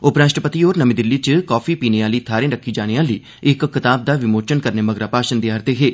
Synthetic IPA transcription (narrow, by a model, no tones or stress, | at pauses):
ʊpɾaːʃʈɾəpət̪iːoːɾnəmid̪ɪlːiːt͡ʃəkɔːfʰiːpiːneaːliːt̪ʰaːɾẽːɾəkʰːiːd͡ʒaːñeaːliː | ɪkːɪt̪aːb̚d̪aːʋɪmoːt͡ʃənkəɾneːməɡɾaːpaːʃənd̪iːaːɾt̪eɦeː